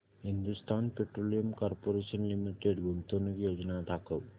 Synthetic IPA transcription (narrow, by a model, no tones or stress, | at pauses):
ɦind̪ust̪aːnpeʈɾolijɐmkaɾpoɾeʃənlimiʈeɖɡunt̪onukjoːd͡ʒnat̪akəʋ